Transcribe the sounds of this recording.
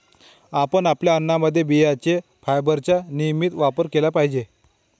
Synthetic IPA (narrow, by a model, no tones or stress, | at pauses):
apənapljaənːaməd̪ʱːjebiat͡ɕefajbəɾt͡ɕjanijəmit̪ʋapəɾkelapaɦid͡ʑe